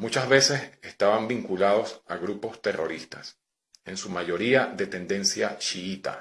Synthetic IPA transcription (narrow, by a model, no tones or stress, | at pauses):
mut͡ʃazβe̞se̞se̞st̪aβambiŋkulað̞o̞saɣɾupo̞st̪e̞rʔo̞̰ɾist̪as | e̞nsumaʝo̞ɾiaðe̞t̪e̞nd̪e̞nsja̰t͡ʃiit̪a̰